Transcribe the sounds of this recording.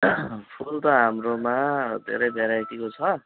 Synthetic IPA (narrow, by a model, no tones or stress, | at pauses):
pʰult̪ʌɦamromad̪ʱḛɾʌjbʱeɾajt̪ikot͡sʰʌ